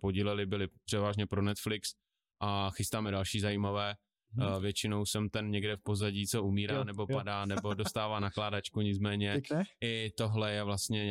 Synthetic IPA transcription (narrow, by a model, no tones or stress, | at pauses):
poɟilɛlɪbɪlɪpr̥ɛvaːʒɲɛpɾonɛt̪flɪks | ʔaxɪst̪aːmɛdalʃiːzajiːmavɛː | vjɛt͡ʃɪnowsɛmt̪ɛnɲɛɡdɛfpo̞zaɟiːt͡so̞umiːɾaːnɛbo̞padaːnɛbo̞dost̪aːvaːnaklaːdat͡ʃkuɲɪt͡smɛːɲɛɪt̪o̞ɦlɛjɛvlast̪ɲɛ